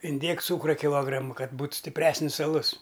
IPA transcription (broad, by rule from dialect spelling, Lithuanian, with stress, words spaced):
ɪnʲˈdʲeːk ˈt͡suːkrɐ kʲɪˈlˠoːɡrɐmʊ ˈkɐt ˈbuːt sʲtʲɪpʲˈrʲæːsʲnʲɪs ɐˈlˠʊs